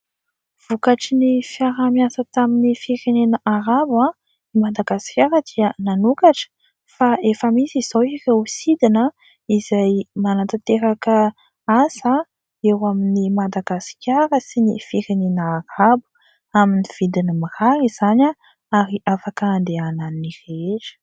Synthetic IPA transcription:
v̥ukaʈ͡ʂinifiaɾamjasət̪aminifiɾenenəʔaɾaba | imad̪aɡasi̥kʲaɾəd̪̥iənanukaʈ͡ʂə̥ | faefəmisiz̥owirewsid̪inə | izajmanat̪at̪eɾakə | asa | ewaminimad̪aɡasi̥kʲaɾəsinifiɾenenəːɾabu̥ | aminiv̥id̪inimiraɾiz̥ana | aɾiafakaːnd̪eananireʈ͡ʂə̥

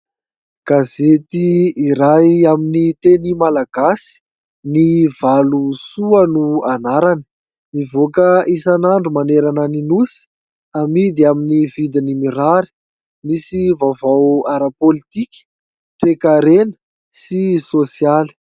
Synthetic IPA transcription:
ɡ̥azet̪iiɾajaminit̪enimalaɡasi̥ | nivalusuənuanaɾanə̥ | mivokəisanaɳɖ͡ʐumaneɾanəninusi̥ | amid̪iaminivid̪inimiɾaɾi̥ | misivavawaɾapolit̪ikʲi̥ | t̪ekaɾenə̥ | sisosijali̥

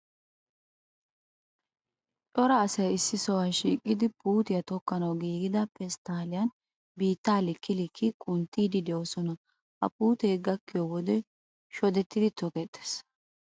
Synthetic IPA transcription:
tʼɔɾɐːsɐjɪsːɪsɔwɐnʃiːkʼːɪd̪ɪpuːt̪ɪjɐt̪ɔkːɐnɐwɡiːɡɪd̪ɐpɛst̪aːlɪjɐn | biːt̪ːaːlɪkːɪlɪkʰːɪkʼʊnt̪ːiːd̪ɪd̪ɛɔsɔnɐ | ʔɐ̰pʼuːt̪eːɡɐkːɪjɔwɔd̪ɛ | ʃɔd̪ɛt̪ːɪd̪ɪt̪ʰɔkɛt̪ʼːe̥s

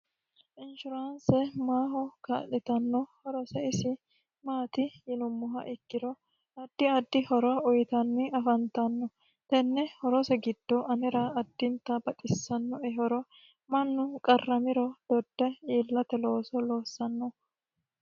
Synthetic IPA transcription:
ʔɪnʃʊɾansɛmaːɦɔka̰ːɗɛt̪ɐnːɔhɔɾɔsɛɪsɪ | maːt̪ɪjɪnʊmːʊɦɐ̰ʔɪkːɪɾɔ | ɐd̪̥ːɪɐd̪ːɪhɔɾɔʊjt̪ɐnːɪɐfɐnt̪ɐnːɔ | t̪ɛnːɛhɔɾɔsɛɡɪd̪̥ːɔʔɐnɪɾɐɐd̪ːɪnt̪ɐbɐt̪ʼɪsːɐnːɔɛɦɔɾɔ | mɐnːʊkʼɐrːɐmɪɾɔd̪̥ɔd̪̥ːɛiːlːɐt̪ɛlo̞ːsɔloːsːɐnːɔ

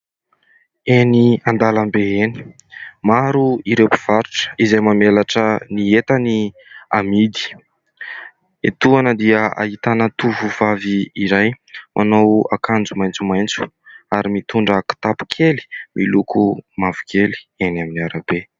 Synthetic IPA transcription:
eniand̪alambeeni̥ | maɾuiɾepi̥v̥aɾuʈ͡ʂə̥izajmamelaʈ͡ʂəniet̪ani | amid̪i̥ | et̪uanəd̪iəa̰ɦit̪anət̪uvuvaviːɾaj | mʔanowa̰kand͡zumajnt͡sumajnt͡su̥ | aɾimit̪uɳɖ͡ʐaku̥t̪apu̥kʰeli̥mʔilukumavu̥kʰeli̥enaminiaɾabe

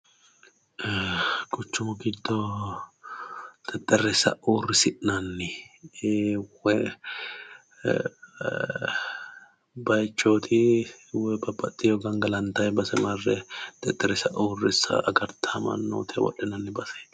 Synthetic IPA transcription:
ɡʼʊt͡ʃːʊmʊɡɪd̪ːɔ | t̪ʼɛt̪ʼːɛrɛsɐ̰ʔoːrːɪsɪʔnɐnːɪ | wɛ | bɐjt͡ʃːoːt̪ʰɪwɛbɐbːɐt̪ʼːɪjɔɡɐŋɡɐlɐnt̪ɐjbɐsɛmɐrːɛt̪ʼɛt̪ʼːɛɾɛsɐʔoːrɪsɐ̰ɐɡɐɾt̪ʰamɐ̰nːo̰ːt̪ʰɪ̰wɔ̰ɗːɛnɐnːɪbɐsɛ̥

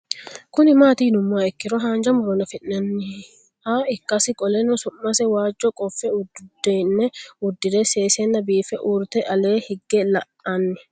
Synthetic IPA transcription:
kʊnɪmaːt̪iːnʊmːaːɛkːɪɾɔɦaːnd͡ʒɐmʊɾɔnɐfɪnːɐnːɪ | haːɪkːɐsɪkʼɔlenɔsʊmːɐsɛwaːd͡ʒːɔkʼɔfːɛʊd̪dɛnːɛʊd̪ːɪd̪eseːseːnːɐbiːfɛʔuːɾt̪ɛʔɐleːhɪɡːɛlɐʔanːɪ

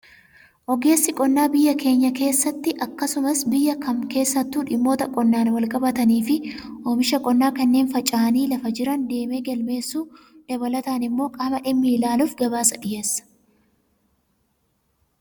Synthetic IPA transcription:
ʔɔɡe̞ːsːɪkʼɔnːaːbɪjːɐke̞ːɲːɐke̞ːsːɐt̪ːɪʔɐkːɐsʊmɐsbɪjːɐkɐmke̞ːsːɐt̪ːuːᶑɪmːo̞ːt̪ɐkʼɔnːaːnwɐlkʼɐbɐt̪ɐniːfɪʔoːmɪʃɐkʼɔnːaːkɐnːe̞ːnfɐt͡ʃʼaːɐniːlɐfɐd͡ʒɪɾɐnd̪e̞ːme̞ːɡɐlme̞ːsːuː | d̪̥ɐbɐlɐt̪aːnɪmːo̞ːkʼaːmɐᶑɪmːɪlaːluːfɡɐbaːsɐᶑɪjeːsːɐ̥

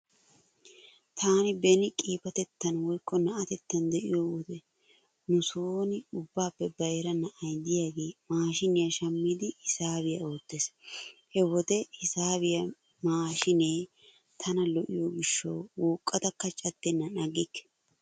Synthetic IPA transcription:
t̪ʰaːnɪbɛnɪkʼiːpɐt̪ɛt̪ːɐnwɔjkʼːɔnɐʔɐt̪ɛt̪ːɐnd̪ɛʔɪjoːwɔt̪ɛ | nʊsoːnɪʊbːaːpːɛbɐjɾɐnɐʔɐjd̪ɪjaɡeːmaːʃɪnɪjɐʃɐmːɪd̪ɪɪsaːbɪjɐo̞ːt̪ːeːshɛwɔt̪ɛɪsaːbɪjɐ | maːʃɪneː | t̪ʰɐnɐlɔʔɪjoːɡɪʃːɐ̰wwuːkʼːɐt̪ɐkːɐt͡ʃʼɐt̪ːɛnːɐnɐɡɪkːɛ̥

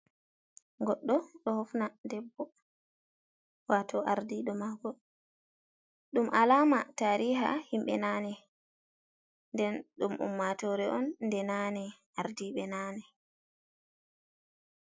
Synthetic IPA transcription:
ɡɔɗːɔɗɔhɔfnadɛbːɔ | watʰɔʔaɾdiɗɔmaɡɔ | ɗumʔalaːmataɾiːɦa̰himɓɛ̰nanɛ | ndɛnɗumʔṵmːatɔɾɛʔɔnːdɛnanɛ | aɾdiɓɛnaːnɛ

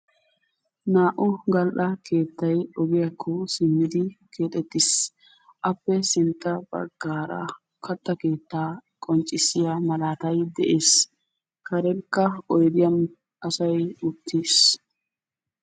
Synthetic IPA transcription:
naːʔʊɡɐlɗɐke̞ːt̪ːɐjɔɡɪjɐkʰːɔsɪmːɪd̪ɪkʰe̞ːt̪ʼɛt̪ːɪs | ʔɐpːɛsɪnt̪ːɐbɐ̰ɡːaːɾɐ̰ | kɐt̪ːɐke̞ːt̪ːaːkʼɔnt͡ʃʼːɪsɪjamɐlaːt̪ɐjd̪ɛʔeːs | kʰɐɾɛnkːɐɔjd̪ɪjɐm | ʔɐsɐjʊt̪ʰːiːs

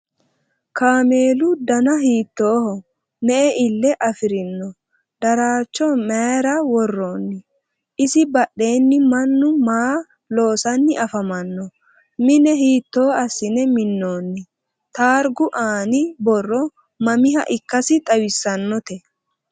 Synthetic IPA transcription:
kaːme̞ːlʊd̪ɐnɐɦiːt̪ːoːhɔ | nɛʔɛʔɪlːɛʔɐfɪɾɪnːɔ | d̪̥ɐɾaːt͡ʃːɔmeːɾɐwɔrːoːnːɪ | ʔɪsɪbɐɗːe̞ːnːɪmɐnːʊmaː | lo̞ːsɐnːɪʔɐfɐmɐnːɔ | mɪnɛɦiːt̪ːo̞ːɐsːɪnɛmɪnːoːnːɪ | t̪aːɾɡʊʔaːnɪbɔrːɔ | mɐmɪɦɐ̰ʔɪkːɐsɪt̪ʼɐwɪsːɐnːɔt̪ɛ

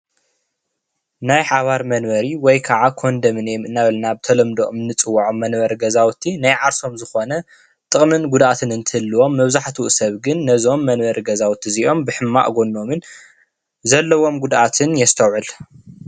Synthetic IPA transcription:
najħaβaɾmɐnβɐɾiwɔjkʰaʕakʰo̞nd̪ɐmɨnjemɨnːaβɐlnabɨt̪ʰɐlɐmd̪oʔmɨnːɨt͡sʼɨwːaʕomːɐnbɐɾɡɐzawt̪ʰinajʕaɾso̞mzɨxo̞nɐ | t̪ʼɨχʼmɨnɡud̪ʔat̪ʰɨnɨnt̪ʰɨhɨlːɨwo̞mːɐβzaħt̪ʰwuʔsɐβɡɨnːɐzo̞mːɐnbɐɾiɡɐzawt̪ʰiziʔo̞mbɨħɨmːa̰ʔɡo̞nːo̞mɨn | zɐlːɐwo̞mɡud̪ʔat̪ʰɨnjɛst̪ʰɐwʕɨl

